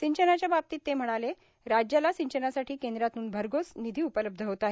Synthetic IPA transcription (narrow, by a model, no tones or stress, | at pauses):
siɲt͡ɕənat͡ɕjabap̚t̪iːt̪ːem̤əɽ̃ale | ɾad͡ʑjalasiɲt͡ɕənasaʈʰiːkend̪ɾat̪uːnbʱəɾɡosnid̪ʱiːupələb̚d̪ʱəɦot̪aɦe